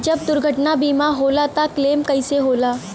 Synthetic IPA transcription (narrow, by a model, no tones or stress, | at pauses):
d͡ʒɐb̚d̪ʊɾɡʱəʈnabiːmaɦoːlat̪akleːmkɐɪseɦoːlaː